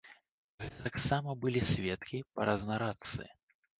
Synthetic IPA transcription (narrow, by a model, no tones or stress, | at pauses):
ɣɛt̪ɐt̪aksamɐbɨlʲisʲvʲɛt̪kʲipɐ̰ɾɐznɐɾat̪sɨ̰